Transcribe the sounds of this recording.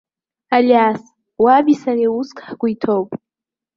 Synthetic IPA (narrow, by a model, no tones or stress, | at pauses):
alas | wabisareuskʰʼħkʷʊitʰowpʼ